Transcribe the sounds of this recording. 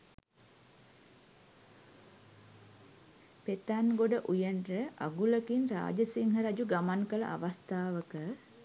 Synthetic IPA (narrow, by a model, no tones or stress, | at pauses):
pet̪anɡoɖəʔujənrəʔaɡuləkinra̰ːd͡ʒəsiŋɦəɾad͡ʒuɡamankələ̰ʔa̰ʋast̪aːʋəkə